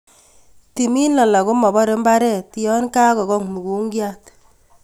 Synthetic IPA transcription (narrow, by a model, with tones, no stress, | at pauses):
ti˨mi˦nla˨la˨ko˦mɔ˨bɔ˦ɾe˦mba˦ɾɛ˦˨tjɔ˦nka˦kɔ˨ɣɔ˦ŋmu˨ɡu˨˦ŋɡja˦t